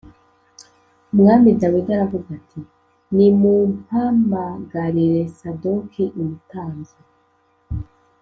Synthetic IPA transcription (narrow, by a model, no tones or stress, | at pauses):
mŋaːmidawidaɾavuɡatʰi | nimumhaːmbaɡaɾiɾe̞sadokʰiʔumutaːnza